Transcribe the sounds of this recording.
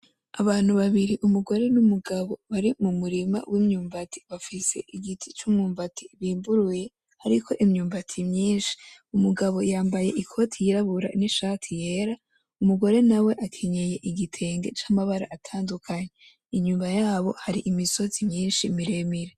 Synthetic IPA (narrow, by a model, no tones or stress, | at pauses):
aβaːn̥huβaβiɾiʔumuɡo̞ɾe̞numuɡaβo̞βaɾimumuɾima̰wʔimɲuːmvatʰi̥βafise̞̰ʔiɡitʰi̥t͡ʃumŋuːmvatʰi̥βiːmbuɾuje̞ | haɾikʰo̞ʔimɲuːmvatʰimɲiːnʃi̥umuɡaβo̞jaːmbaje̞ʔikʰo̞tʰijiɾaβuɾa̰niʃaːtʰije̞ɾa | umuɡo̞ɾe̞nawe̞ʔakʰe̞ɲe̞je̞ʔiɡitʰe̞ːŋɡe̞t͡ʃamaβaɾa̰ʔatʰaːndukʰaɲe | iɲuːmbajaːβo̞haɾiʔimiso̞zimɲiːnʃimiɾe̞miɾe